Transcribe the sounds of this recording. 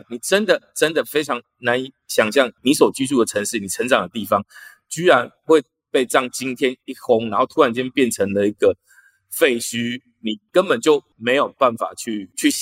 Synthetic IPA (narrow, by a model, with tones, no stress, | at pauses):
ni˨˩ʈ͡ʂə˦nd̪ə˨ʈ͡ʂə˦nd̪ə˨fe˥ɪʈ͡ʂʰɑ˧˥ŋ | na˧˦ni˨˥˩ɕjɑ˨˩ŋɕjɑ˥˩ŋni˨˥swɔ˨˩t͡ɕy˥t͡su˥˩d̪ə˩ʈ͡ʂʰə˧˥ŋʂɻ̩˥˩ni˨˩ʈ͡ʂʰə˧˦nt͡sɑ˨˩ŋd̪ə˦t̪i˥˩fɑ˦ŋ | t͡ɕy˥ɻa˧˦nxwe˥˧ɪ | pe˥˧ɪʈ͡ʂɑ˥˩ŋt͡ɕi˦nt̪ʰjɛ˦˥ni˥˩xʊ˦ŋna˨˦nxo˥˩ʊt̪ʰu˥a˦˥nt͡ɕjɛ˥npjɛ˥˨˩nʈ͡ʂʰə˧˥ŋd̪ə˨i˧˥ɡə˨ | fe˥˩ɪɕy˦ | ni˨˩kə˦npə˨˩nt͡ɕjo˥˩ʊme˧˥ɪjo˨˩ʊpa˥˩nfa̰˨˩t͡ɕʰy˥˧t͡ɕʰy˥˩